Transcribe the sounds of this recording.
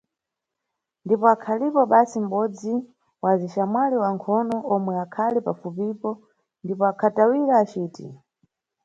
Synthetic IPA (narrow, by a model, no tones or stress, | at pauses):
ndipɔakʰalipɔɓasim̩ɓɔd͡zi | waziʃamwaliwaŋkʰɔnɔʔɔmwɛakʰalipafupipɔ | ndipɔakʰatawiɾaːt͡ʃiːtḭ